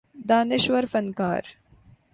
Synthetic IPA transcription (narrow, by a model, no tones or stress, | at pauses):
d̪aːnɪʃʋɐɾfɐnka̰ːɾ